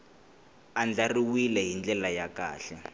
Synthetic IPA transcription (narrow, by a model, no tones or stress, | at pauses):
and͡ɮariwilɛɦind͡ɮɛlajaka̰ːɬɛ